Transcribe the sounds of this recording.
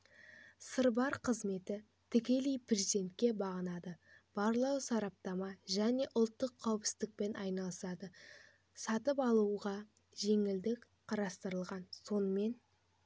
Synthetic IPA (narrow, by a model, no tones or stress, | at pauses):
səɾbɑɾqʰəzme̞t̪ɪ | t̪ʰɪkʲe̞lijprezid̪e̞nt̪kʲe̞bɑʁənɑd̪əb̥ɑɾlˠɑwsɑɾɑp̚t̪ɑmɑʒæne̞ʔʊlˠt̪ːəqʰːɑwɪpsɪzd̪ɪk̚pe̞nɑjnɑlˠəsɑd̪ə | sɑt̪əpɑlˠuʁɑ | ʒe̞ŋɪld̪ɪk | qʰɑɾɑst̪əɾəlˠʁɑnso̞nəme̞n